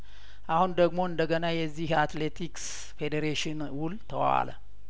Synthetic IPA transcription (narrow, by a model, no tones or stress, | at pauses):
ʔahund̪əɡmo̞ɨnd̪əɡənajɛzːihat̪let̪ʰiks | fed̪eɾeʃɪnwʊlt̪ʰəwa̰lə̰